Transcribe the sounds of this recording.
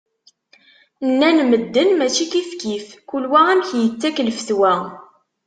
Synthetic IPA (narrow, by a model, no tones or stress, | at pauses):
nːænməd̪ːənmæt͡ʃikifkifkulwææmçjət͡sːækləfθwæ